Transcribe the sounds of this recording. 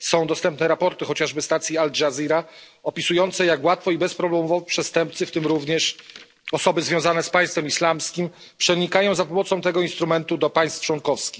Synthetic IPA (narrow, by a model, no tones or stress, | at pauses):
sɔ̃w̃d̪ɔst̪ɛmp̚nɛɾapɔɾt̪ɘxɔt͡ɕaʐbɘst̪at̪sʲjiald͡ʐaziɾa | ɔpʲisujɔnt̪sɛjakwat̪fɔibɛspɾɔblɛmɔvɔvipʂɛst̪ɛmpt̪sɘft̪ɘmɾuvɲɛʂ | ɔsɔbɘzvʲjɔ̃w̃zanɛspaj̃st̪fɛmislamskʲim | pʂɛɲikajɔ̃w̃zapɔmɔt̪sɔ̃w̃t̪ɛɡɔinst̪ɾumɛnt̪ud̪ɔpaj̃st̪ft͡ʂwɔŋkɔfskʲix